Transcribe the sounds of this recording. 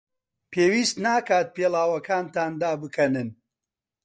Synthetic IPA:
pʰeːwiːst̪naːkaːt̪̚peːlˠaːwɐkaːnt̪aːnd̪aːbɨkʰɐnɨn

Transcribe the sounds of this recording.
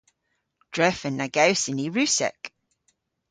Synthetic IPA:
d̥ɹɛfənːaɡɛwsɪniɹʉsɛ̰k

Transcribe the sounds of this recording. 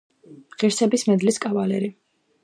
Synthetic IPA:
ʁiɾsɛbismɛd̪liskʼavalɛɾi

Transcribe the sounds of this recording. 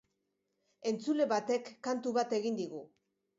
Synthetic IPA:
e̞nt͡sule̞βat̪e̞kːant̪uβat̪e̞ɣind̪iɣu

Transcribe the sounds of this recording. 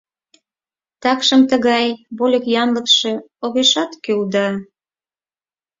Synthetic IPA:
t̪ɑkʃəmt̪ə̆ɣɑjβolʲɤ̆kjɑnlə̆kʃĕoɣeʃɑt̪kyld̪ɑ

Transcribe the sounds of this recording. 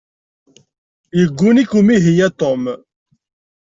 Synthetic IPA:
jəɡːunikumiɦijæt̪ˤom

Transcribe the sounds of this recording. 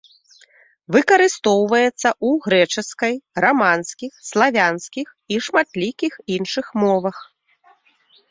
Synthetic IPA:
vɨkɐɾɨst̪ɔwvɐjɛt̪sːɐʔuɣɾɛt͡ʂɨskɐjramanskʲixslˠavʲanskʲix | iʂmat̪lʲikʲixinʂɨxmɔvɐx

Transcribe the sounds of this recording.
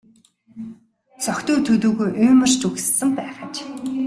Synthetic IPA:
t͡sɔkt̪uːt̪ʰɵt̪uːɣujʔɵːmə̆r̥t͡ɕɵɣssɘ̆mpæːʁat͡ɕ

